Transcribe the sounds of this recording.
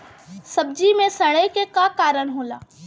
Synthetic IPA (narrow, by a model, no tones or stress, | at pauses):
sɐb̚d͡ʒimẽsɐɽ̃əjkekakaːɾəɽ̃ɦoːla̰ː